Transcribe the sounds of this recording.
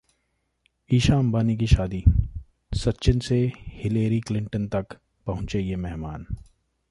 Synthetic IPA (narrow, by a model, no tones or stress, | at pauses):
iːʃaːmbaːnik̬iʃaːd̪i | sɐtːʃɪnsehɪleːɾiklɪ̃ɳʈənt̪ɐk | pɐɦʊ̃t͡ʃejemɛɦmaːn